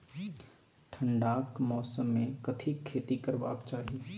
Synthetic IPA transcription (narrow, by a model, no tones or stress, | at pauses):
ʈʰəɳɖaːkmɔːsəmːẽkət̪ʰikʰːeːt̪ikəɾba̰ːkt͡ʃaːɦi